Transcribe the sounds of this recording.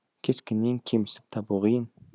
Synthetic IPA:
kʲʰeskʲenːeŋkʲʰemɪsɪ̥p̚t̪ʰɑbuʁəjən

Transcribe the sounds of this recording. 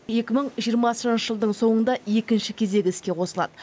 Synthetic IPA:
je̞kʲɪməɴʒijəɾmɑsəənʃəʒəlˠd̪əɴso̞ɴənd̪ɑe̞kʲɪnʃɪkʲʰe̞ze̞ɡʲɪskʲe̞qʰo̞səlˠɑ̰d̪̥ə

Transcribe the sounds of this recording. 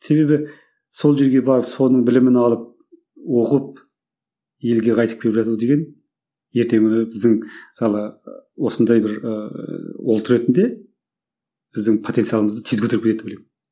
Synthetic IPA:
se̞βe̞bɪ | so̞lˠʒe̞ɾɡʲe̞bɑɾəpso̞nəɴbɪlɪmɪnɑlˠəp̚ | wo̞qəp̚ | je̞lɡʲe̞qʰɑjt̪ə̥kʲʰe̞lɪpʒɑzud̪e̞ɡʲe̞n | je̞ɾt̪e̞ŋɪbɪzd̪ɪŋɪ̥sɑlˠəwo̞sənd̪ɑjbɪɾəwolˠt̪ʰɾe̞t̪ɪnd̪e̞ | b̥ɪzd̪ɪŋpʰot̪ent̪sijɑlˠəməzd̪ət̪ʰezɡʲkʰɵt̪eɾɪpʲkʰʲeet̪ːɪbolejmɪn

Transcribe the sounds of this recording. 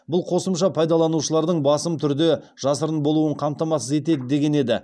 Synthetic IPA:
bʊlˠqʰo̞səmʃɑpʰɑjd̪ɑlˠɑnuʃəlˠɑɾd̪əɴbɑsəmt̪ʰʏɾd̪e | ʒ̥ɑsəɾənbo̞lˠuwəɴqʰɑmt̪ɑmɑsəze̞t̪e̞d̪ɪd̪e̞ɡʲe̞ne̞d̪ɪ

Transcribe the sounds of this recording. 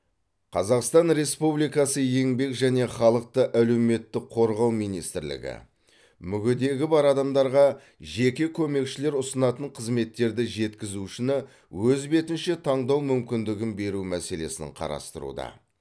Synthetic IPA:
qʰɑzɑqst̪ɑnɾe̞spublijkɑsəje̞ŋbe̞kʒæne̞χɑlˠəq̚t̪əʔæle̞wme̞t̪ːɪk̚qʰo̞ɾʁɑwmijnijst̪ɪɾlɪ̰ɡʲɪ̰ | mʏɡʲɪd̪e̞ɡʲɪbɑɾɑd̪ɑmd̪ɑɾʁɑ | ʒe̞kʲe̞kʲʰɵme̞kʃɪle̞ɾʊsənɑt̪əɴqʰəzme̞t̪ːe̞ɾd̪ɪʒe̞t̪kʲɪzuʃɪnɪ | wɵzbe̞t̪ɪnʃɪt̪ʰɑɴd̪ɑwmʏmkʲɪnd̪ɪɡʲɪnbe̞ɾumæse̞le̞sɪ̰ɴqʰɑ̰ɾɑ̰st̪əɾṵd̪ɑ̰

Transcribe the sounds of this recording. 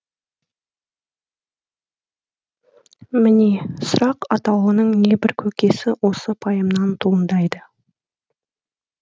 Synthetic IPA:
mɪnesʊɾɑqɑt̪ɑwənəɴne̞bɪɾkʲʰɵkʲe̞sɪwʔo̞səpʰɑjəmnɑnt̪ʰuənd̪ɑjd̪ə

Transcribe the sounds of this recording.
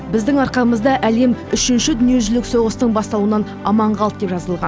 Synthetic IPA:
bɪzd̪ɪŋɑɾqɑməzd̪ɑʔæle̞mʏʃɪnʃɪd̪ʏnije̞ʒʏlɪkso̞ʁəst̪əɴbɑst̪ɑlˠuənɑn | ɑmɑɴʁɑlˠp̪̚d̪e̞pʒɑzəlˠʁɑn

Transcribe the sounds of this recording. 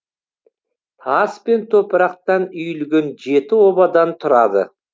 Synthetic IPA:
ɑspe̞nt̪ʰopəɾɑq̚t̪ɑnʏjʏlɡʲe̞nʒe̞t̪ɪwo̞bɑd̪ɑnt̪ʰʊɾɑd̪ə̰

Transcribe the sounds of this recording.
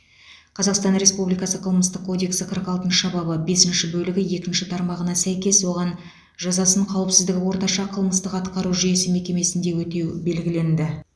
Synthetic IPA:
qʰɑzɑqst̪ɑnɾe̞spublijkɑsəqʰəlˠməst̪əqkʰːo̞d̪e̞ksəqʰəɾqɑlˠt̪ənɑbɑbəbe̞sɪnʃɪbɵlɪɡʲɪje̞kʲɪnʃɪt̪ʰɑɾmɑʁənɑsæjkʲe̞swo̞ʁɑn | ʒɑzɑsəɴqʰɑwəpsɪzd̪ɪɡʲɪwo̞ɾt̪ɑʃɑqʰəlˠməst̪əqɑt̪qɑɾuʒʏje̞sɪme̞kʲe̞me̞sɪnd̪e̞wɵt̪e̞wbe̞lɡʲɪle̞nd̪ɪ

